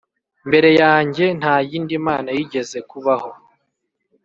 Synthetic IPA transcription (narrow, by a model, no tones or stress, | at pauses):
mbe̞ɾe̞jaːɲɟe̞n̥haːjiːndimaːnajiɟe̞ze̞kuβaho̞